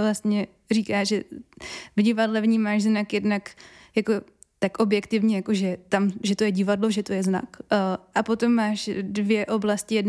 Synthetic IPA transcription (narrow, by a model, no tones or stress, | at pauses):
vlast̪ɲɛ | riːkaːʒɛ | vɲɪvadlɛvɲiːmaːʃznakjɛdnak | jako̞ | t̪akʔo̞bjɛkt̪ɪvɲɛjako̞ʒɛt̪amʒɛt̪o̞jɛɟɪvadlo̞ʒɛt̪o̞jɛzna̰kʔapo̞t̪o̞mːaːʃdvjɛʔo̞blascɪjɛdn